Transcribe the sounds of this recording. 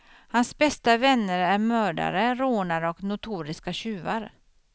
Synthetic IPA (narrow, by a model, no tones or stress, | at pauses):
hansbɛst̪avɛnːəɾæɾmœːɖa̰ɾəɾoːnaɾɔknʊt̪ʰuːɾɪskaɕʉ̟ːvaɾ